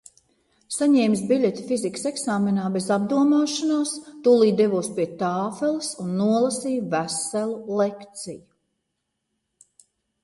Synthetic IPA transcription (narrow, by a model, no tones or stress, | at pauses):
saɲɛːmsbiʎʲet̪i̥fizikə̥seksaːmenaːbezab̚d̪uɔmaːʃanaːst̪uːlˠiːd̪evuːspʲiɛt̪aːfelˠɨsunːuɔlˠasiːjvæsælˠulekt̪siju